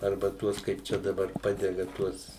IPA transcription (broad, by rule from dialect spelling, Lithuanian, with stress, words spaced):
ˈɐrbɐ ˈtuɔs kɐɪp ˈt͡ʃʲɛ dɐˈbɐr ˈpɑːdʲɛɡɐ ˈtuɔs